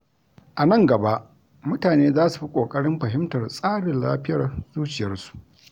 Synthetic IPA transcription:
ʔa˨nɐ˦˨ŋɡɐ˨ba˦ʔ | mʊ˦taː˨neː˦zaː˦su˨ɸi˦kʷʼoː˨kʼɐ˦ɽɪ˦mɸɐ˨ɦɪ˦mtɐ˨rsʼaː˦ɽɪ˨nla̰ː˦ɸɪ˦jɐ˨rzuː˦t͡ʃɪ˨jɐ˦rsu̥˨ʔ

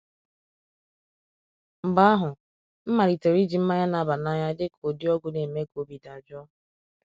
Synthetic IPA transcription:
m̩˨ɡ͡ba˦a˦ɦʊ˨ | m̩˦ma˨ɾi˨te˨ɾi˦d͡ʒi˨m̩˦ma˦ɲa˦na˨ba˨na˦ɲa˦dɪ˦kʰo˨di˦ɔ˦ɡʊ˨ne˨me˦ko˨bi˨da˨bjɔ˦

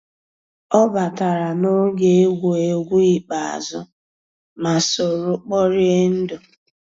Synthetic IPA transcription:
ɔ˦ba˨ta˨ɾa˨no˦ɡe˦e˦ɡʷu˨e˦ɡʷu˦i˨k͡pa˨a̰˨zʊ˦ | ma˨so˨ɾʊ˦k͡pɔ˦ɾɪ˦e˦n̩˦dʊ˨

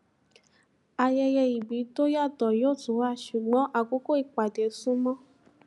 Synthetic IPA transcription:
a˨jɛ˧jɛ˧i˨bi˨˦to˦ja˦˨tɔ˨jo˦˨tu˨˦wa˦˨ʃu˨ɡ͡bɔ̃˨˦ʔa˨ko˦ko˦i˨k͡pa˨de˨˦sũ˦mɔ̃˦

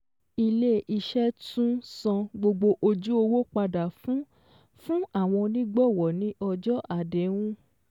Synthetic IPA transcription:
i˧le˦ʔi˧ʃɛ˦tũ˦sɔ̃˧ɡ͡bo˧ɡ͡bo˧ʔo˧d͡ʒu˦o˧wo˦k͡pa˧da˨fũ˦ | fũ˦a˦˨w̃ɔ̃˧nĩ˦ɡ͡bɔ˦˨wɔ˨nĩ˦ʔɔ˧d͡ʒɔ˦ʔa˦˨de˨˦wũ˦

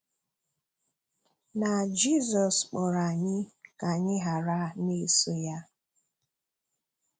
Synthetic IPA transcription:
na˨d͡ʒi˦˨zɔ˨sk͡pɔ˨ɾa˨ɲɪ˦ka˨ɲɪ˦ɦa˨ɾa˦ne˦˨so˦ja˦

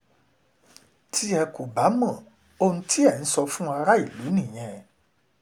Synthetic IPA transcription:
ti˦ɛ˧ku˨ba˨˦mɔ̃˦˨ | o˧nũ˦tʰi˦ɛ˦˨n̩˨˦sɔ˧fũ˦a˧ɾa˦i˦˨lu˨˦nĩ˦˨j̃ɛ̃˧

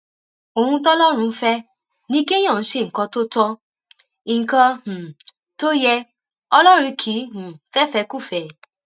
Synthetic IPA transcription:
o˨hũ˧t̬ɔ˦lɔ˦ɾ̃ũ˧˦fɛ˦ | nĩ˦ke˦j̃ã˦˨˦ʃe˦˨kã˧to˦tɔ˦ | i˨ŋ̩˨kã˧h̩˨ | to˦jɛ˧ | ɔ˧lɔ˦ɾ̃ĩ˧kʰi˨˦h̩˨fɛ˦fɛ˧ku˦˨fɛ˨

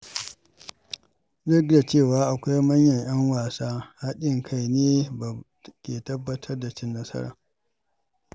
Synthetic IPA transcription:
zɐ˦ɡda˨t͡ʃeː˦˨waː˨˦ʔa˨kʷa˦jmɐ˦ɲjɐ˨ɲj̰ɐ˦ŋwaː˨saː˦ha˦ɗɪ˦ŋkʰa˦jneː˦ba˨ | kʲeː˨tɐ˦bːɐ˦tʰɐ˦rda˨t͡ʃɪ˦nːɐ˦sɐ̰˦ɾa̰ː˨

